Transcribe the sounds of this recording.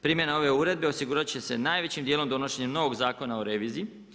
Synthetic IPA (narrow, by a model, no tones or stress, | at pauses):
pɾiːmje̞nao̞ʋe̞uːɾe̞d̪̚be̞osiɡuːɾat͡ɕe̞se̞naːjʋe̞t͡ɕimd̪jeːlomd̪o̞no̞ʃe̞ɲemno̞ʋo̞ɡzaːko̞naoɾe̞ʋiːzii